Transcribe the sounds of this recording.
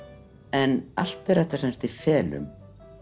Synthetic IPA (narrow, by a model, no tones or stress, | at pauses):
ɛna̰l̥t̪ɛɾɛft̪ḁsɛnst̪ifɛːlʏ̰m